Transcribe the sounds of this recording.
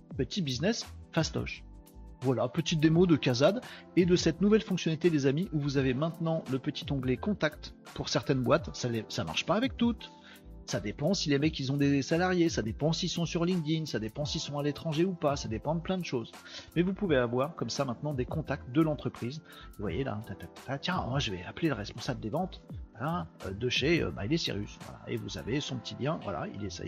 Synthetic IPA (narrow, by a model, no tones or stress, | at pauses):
pət̪ʰibiznɛsfast̪ɔ̰ʃvwalapət̪it̪̚d̪emod̪əkazad̪ed̪əsɛt̪nuvɛlfɔ̃ksjɔnalit̪ed̪ezamiʔuvuzavemɛ̃t̪nɑ̃ləpət̪i̥t̪ɔ̃ɡlekɔ̃t̪ak̚t̪puʁsɛʁt̪ɛnbwat̪salesama̰ʁʃpaːvɛk̚t̪ut̪ | sad̪epɑ̃silemɛkʲilzɔ̃d̪esalaʁjesad̪epɑ̃silsɔ̃syʁlĩŋd̪insad̪epɑ̃silsɔ̃alet̪χɑ̃ʒeupasad̪epɑ̃d̪əplɛ̃d̪əʃozmɛvupuveavwaʁkɔmsamɛ̃t̪nɑ̃d̪ekɔ̃t̪ak̚t̪̚d̪əlɑ̃t̪χəpχiz | vwa̰jela̰t̪at̪ɛlpḁt̪at̪jɛ̃ʒəvɛ̰apleləʁɛspɔ̃sabld̪evɑ̃t̪walaø̰d̪əʃeø̰ba̰ilesḭʁy̰svwa̰la̰ʔḛvuza̰vesɔ̃pət̪ʰiljɛ̃vwa̰la̰ḭlesɛ̰j